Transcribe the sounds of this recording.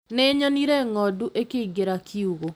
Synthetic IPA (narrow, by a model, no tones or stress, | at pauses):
neɲɔniɾɛŋɔduʔekeiɡeɾakʰiuɣo